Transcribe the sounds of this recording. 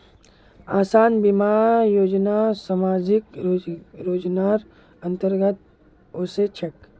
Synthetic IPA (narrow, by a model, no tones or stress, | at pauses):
aːsaːnbimaːjoːd͡ʒnasamaːd͡ʒɪkː | ɾoːd͡ʒnaːɾ | ɐ̃nt̪əɾɡət̪̚ | oset͡ʃʰɐk